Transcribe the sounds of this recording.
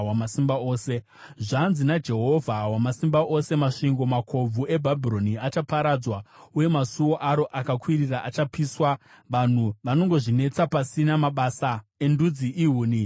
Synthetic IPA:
wamasimbao̞ːse̞ | ʐanzinad͡ʒe̞ɦo̞vʱawamasimbaʔo̞se̞maʂiŋɡo̞makʰo̞b͡vuʔe̞bʱabʱiɾo̞niat͡ʃapaɾad͡zwauje̞masuwo̞ʔaɾo̞ʔakakwiriraʔat͡ʃapiswa | ʋan̤uʋano̞ŋɡo̞ʐine̞t͡sapasinamaɓaːsae̞ndud͡ziʔiɦuːni

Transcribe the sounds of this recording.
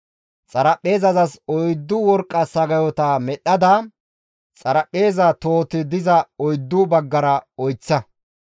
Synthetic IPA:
t͡sʼɐɾɐpʼːe̞ːzɐzɐsɔjd̪ːʊwɔɾkʼːɐsɐɡɐjɔt̪ɐmɛɗɐd̪ɐ | t͡sʼɐɾɐpʼːe̞ːzɐt̪o̞ːt̪ɪd̪ɪzɐɔjd̪ːʊbɐɡːɐɾɐɔjt͡sːɐ

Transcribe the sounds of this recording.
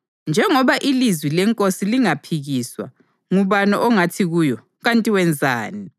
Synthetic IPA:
nd͡ʒʱɛŋɔβaʔilizwilɛŋkʼosiliŋapʰiɣiswa̰ | ŋuβanɔʔɔŋatʰiɣujɔ | ɣantʼiwɛnd͡zʱa̰ːni

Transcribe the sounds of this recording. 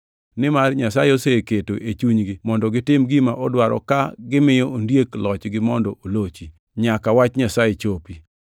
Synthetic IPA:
nɪmarɲasajeoseketoʔet͡ʃuɲɡɪmɔndɔɡɪtɪmɡimaʔɔdwaɾɔ̰kaɡɪmɪjɔondjeklɔt͡ʃɡɪmɔndɔolot͡ʃi | ɲakawat͡ʃɲasajet͡ʃopi

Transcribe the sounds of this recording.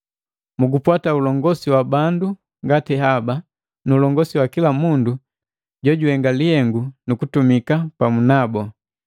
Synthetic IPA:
muɡupwataulɔŋɡɔsiwabandu | ŋɡatɛɦaba | nuːlɔŋɡɔsiwakilamundu | ɟɔɟuhɛŋɡalihɛŋɡunukutumikapamunabɔ

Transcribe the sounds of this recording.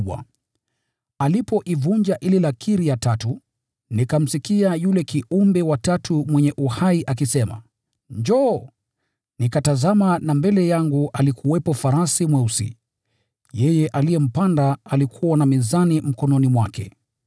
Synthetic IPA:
wa̰ | alipɔʔivund͡ʒaʔililakʰiɾijatatu | nikam̩sikiajulɛkiumbɛwatatʰumwɛɲɛʔuhaiʔakisɛma̰ | ɲd͡ʒɔ | nikatazamanambɛlɛjaŋɡuʔalikuwɛpɔfaɾasimwɛusḭ | jɛjɛʔalijɛm̩pandaːlikʰuwanamizanim̩kɔnɔnimwakɛ̰

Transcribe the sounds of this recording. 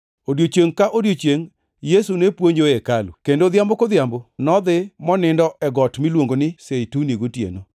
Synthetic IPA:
odjot͡ʃeŋkaʔodjot͡ʃeŋ | jesunepwoɲd͡ʒoekalṵkendod̪jambokod̪jambonɔd̪ɪmɔnɪndɔʔɛɡɔtmilwoŋɡonɪsejtuneɡotjḛno

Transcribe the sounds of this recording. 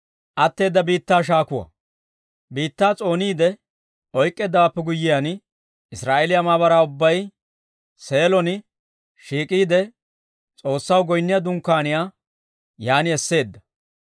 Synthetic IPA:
ʔɐt̪ːe̞ːd̪ːɐbiːt̪ːaːʃ̬aːkʊwɐ̰ | biːt̪ːaːt͡sʼo̞ːniːd̪ɛ | ɔjkʼːɛd̪ːɐwapːɛɡʊjːɪjan | ɪsɾaːʔelɪjamaːβɐɾaːʊbːɐj | se̞ːlɔn | ʃiːkʼiːd̪ɛ | t͡sʼo̞ːsːɐwɡɔjnːɪjɐd̪ʊŋkːaːnɪjaː | jaːnɪɛsːe̞ːd̪ːɐ̥

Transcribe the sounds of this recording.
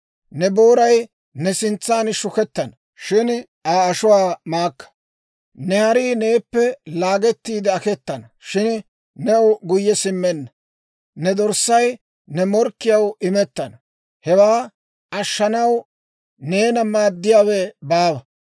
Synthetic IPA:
nɛboːɾɐj | nɛsɪnt͡sːaːnʃʊkɛt̪ːɐnɐ | ʃɪn | aːɐʃʊwaːmaːkːɐ̥ | nɛhɐɾiːne̞ːpːɛlaːɡɛt̪ːiːd̪ɐɐkɛt̪ːɐnɐʃɪn | nɛʊɡʊjːɛsɪmːɛnːɐ | nɛd̪ɔɾsɐj | nɛmɔɾkːɪjɐwɪmɛt̪ːɐnɐ | hɛwaː | ɐʃːɐnɐw | ne̞ːnɐmːaːd̪ːɪjaːwɛbaːbɐ

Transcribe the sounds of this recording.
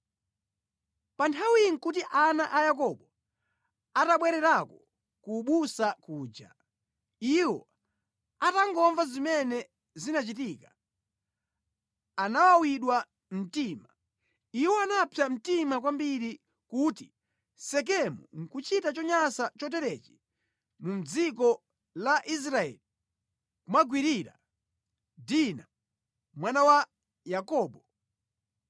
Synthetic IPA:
pantʰawiŋ̩kut̬iʔanaʔajak̬ɔɓɔ | ataɓwɛɾɛɾakɔ | kuɓusakuːd͡ʒa̰ | iwɔ | ataŋɡɔɱvazimɛnɛ | zinat͡ʃitiːka | anawawiɗwa | m̩tima | iwɔanapʰjam̩timak̬wambiɾi | kuːti | sɛk̬ɛmṵŋ̩kut͡ʃitat͡ʃɔɲasat͡ʃɔt̬ɛɾɛt͡ʃi̥ | mum̩d͡zikɔ | laʔis̬ɾaɛ̰li | kumaɡwiɾiɾa̰ | dina | mwanawa | jakɔːɓɔ

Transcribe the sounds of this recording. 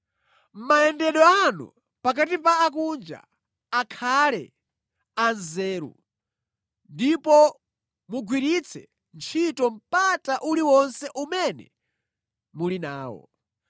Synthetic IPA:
m̩majɛndɛɗɔanṵ | pak̬atipaːkund͡ʒa̰ | akʰalɛ̰ | anzɛːɾṵ | ndipɔ | muɡwiɾit͡sʰɛ | nt͡ʃʰitɔm̩pataʔuliwɔnsɛʔumɛnɛ̰ | mulinaːwɔ̰

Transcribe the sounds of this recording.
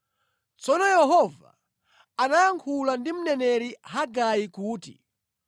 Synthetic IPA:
t͡sɔnɔjɛɦɔva̰ | anajaŋkʰulandim̩nɛnɛɾihaɡajikuːtḭ

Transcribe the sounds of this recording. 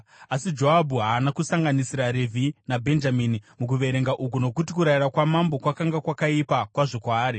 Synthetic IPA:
asid͡ʒo̞ɦabʱuɦaːnakusaŋɡanisiɾaɾevʱinabʱe̞nd͡ʒaminimuk̬uʋe̞ɾe̞ŋɡaʔuk̬uno̞kutikuɾairakwamambo̞kwakaŋɡakwakaipakwaʐokwaːɾi

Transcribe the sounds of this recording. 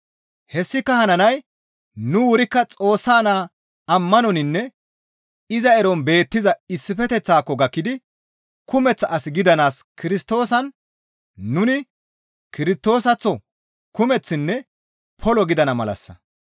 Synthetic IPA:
hɛsːɪkːɐhɐnɐnɐj | nʊwʊɾɪkːɐt͡sʼo̞ːsːaːnaː | ɐmːɐnɔnɪnːɛ | ɪzɐɛɾɔnbe̞ːt̪ːɪzɐɪsːɪfɛt̪ɛt͡sːaːkːɔɡɐkːɪd̪ɪ | kʊmɛt͡sːɐːsɪɡɪd̪ɐnaːskɪɾɪst̪o̞ːsɐn | nʊnɪ | kɪɾɪst̪o̞ːsɐt͡sːɔ | kʊmɛt͡sːɪnːɛ | pʰɔlɔɡɪd̪ɐnɐmɐlɐ̰sːɐ̰

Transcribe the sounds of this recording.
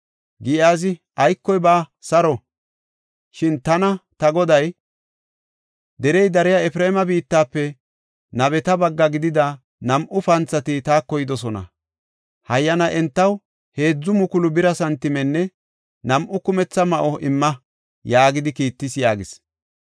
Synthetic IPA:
ɡɪʔaːzɪʔɐjkːɔjbaːsɐɾɔ | ʃɪnt̪ɐnɐt̪ɐɡɔd̪ɐj | d̪ɛɾɛjd̪ɐɾɪjaɛfɪɾemɐbiːt̪ːaːpːɛ | nɐbɛt̪ɐbɐɡːɐɡɪd̪ɪd̪ɐ | nɐmʔʊfɐnt͡sːɐt̪ɪt̪aːkːɔjɪd̪ɔsɔnɐ̰ | hɐjːɐnɐʔɛnt̪ːɐw | he̞ːd͡zːʊmʊkʊlʊbɪɾɐsɐnt̪ːɪmɛnːɛ | nɐmʔʊkʊmɛt͡sːɐmɐʔɔʔɪmːɐ | jaːɡɪd̪ɪkiːt̪ːɪsjaːɡɪs

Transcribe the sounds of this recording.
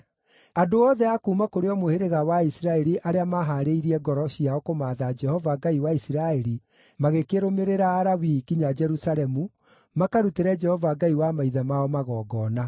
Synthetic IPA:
adoɔːðɛakuːmakoɾeɔmoheɾeɣawaisiɾaɛɾiʔaɾeamaɦaɾeiɾiɛɡɔɾɔɕiaɔkomaːðad͡ʒɛhɔvaɡaiwaisiɾaɛɾi | maɣekeɾomeɾeɾaːɾawikiɲad͡ʒɛɾusaɾɛmu | makaɾuteɾɛd͡ʒɛhɔvaːɡaiwamaiðamaɔmaɣɔːɡɔːna

